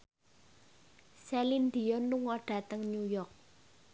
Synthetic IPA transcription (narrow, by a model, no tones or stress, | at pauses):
sɛlind̪iɔnluŋɔɖ̥a̤t̪əŋnujɔk̚